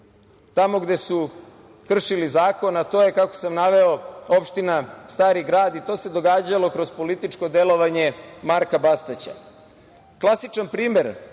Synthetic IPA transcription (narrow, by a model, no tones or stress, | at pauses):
t̪amo̞ɡd̪e̞su | kr̩ʃilizaːko̞nat̪o̞ːjekako̞̥samnaʋe̞o̞o̞pʃt̪inast̪aːɾiɡɾaːd̪it̪o̞ːse̞d̪o̞ɡaːd͡ʑalˠo̞kɾo̞z̥po̞lit̪it͡ʃko̞d̪e̞lˠo̞ʋaɲemaɾkabast̪at͡ɕa̰ | klˠasit͡ʃanpɾiːme̞ɾ